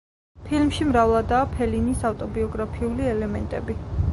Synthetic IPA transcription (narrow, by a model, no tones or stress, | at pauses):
pʰilmʃimɾavlˠad̪aːpʰɛlinisaft̪ʼɔbiɔɡɾapʰiuliɛlɛmɛ̰nt̪ʼɛ̰bi